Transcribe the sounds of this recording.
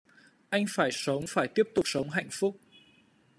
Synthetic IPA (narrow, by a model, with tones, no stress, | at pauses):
ʔa˧jŋ̟faː˧˩jsə˨˦wŋ͡mfaː˧˩jt̪i˦˥əp̚t̪ʊ˨˩k͡p̚sə˨˦wŋ͡mɦa̰˧˨jŋ̟fʊ˦˥k͡p̚